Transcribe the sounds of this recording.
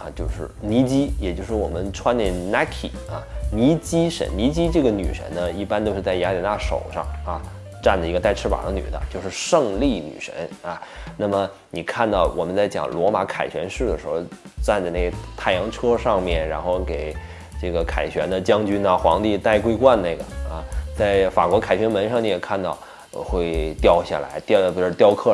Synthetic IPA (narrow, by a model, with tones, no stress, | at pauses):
a˧t͡ɕjo˥˧ʊʂɻ̩˥˩ni˧˥t͡ɕi˥jɛ˨˩t͡ɕjo˥˧ʊʂɻ̩˥˩wɔ̰˨˩mə˦nʈ͡ʂʰwa˥nlɛ˥˩na˥kʰḭ˨˩˦ɐ˧ni˧˥t͡ɕi˥ʂə̰˧˥nni˧˥t͡ɕi˥ʈ͡ʂɤ˥˩ɡə˩ny˨˩ʂə̰˧˥nnə˧i˥˩pa˥nt̪o˥ʊʂɻ̩˥˧t͡sa˥˩ɪja˧˥li˨˩na˥˧˩ʂo̰˨˩ʊʂɑ̰˥˧ŋɐ˧˩ | ʈ͡ʂa˥˩nd̪ə˩i˧˥ɡə˧t̪a˥˩ɪʈ͡ʂʰɻ̩˥pa̰˨˩d̪ə˦ny̰˨˩d̪ə̰˦t͡ɕjo˥˧ʊʂɻ̩˥˧ʂɤ˥˧ŋli˥˩ny̰˨˩ʂə̰˧˥nɐ˧na˥˩mə˩ | ni˨˩kʰa˥˧nt̪ɑ˥˩ʊwɔ˨˩mə˦nt͡sa˥˩ɪt͡ɕjɑ̰˨˩ŋlwɔ˧˥ma˧˥kʰa̰˨˩ɪɕɥɛ̰˧˥nʂɻ̩˥˩d̪ə˩ʂɻ̩˧˥xo˥˧ʊ | ʈ͡ʂa˥˧nt͡sa˥˧ɪne˥˩ɡə˩t̪ʰa˥˩ɪjɑ˧˥ŋʈ͡ʂʰɤ˥ʂɑ˥˧ŋmjɛ˥˩nɻa̰˧˥nxo˥˩ʊke˨˩ɪ | ʈ͡ʂɤ˥˩ɡə˩kʰa˨˩ɪɕɥɛ˧˥nd̪ə˧t͡ɕjɑ˥ŋt͡ɕy˥nə˧xwɑ̰˧˥ŋt̪i˥˧t̪a˥˩ɪkwe˥ɪkwa˥˧nne˥˩ɪɡə̰˩ɐ̰˧t͡sa˥˩ɪfa̰˨˩kwɔ˧˥kʰa˨˩ɪɕɥɛ˧˥nmə˧˥nʂɑ˥˧ŋni˧˥jɛ˨˩kʰa˥˧nt̪ɑ˥˧ʊ˧ | xwe˥˧ɪt̪jɑ˥˧ʊɕja̰˥˩la̰˧˥ɪt̪t̪jɑ˥˧ʊkʰɤ˥˩